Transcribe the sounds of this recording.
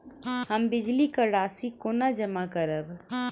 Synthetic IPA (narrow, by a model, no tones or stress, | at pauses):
həmbɪd͡ʒlikəɽaːsikoːnad͡ʒəmakəɾəb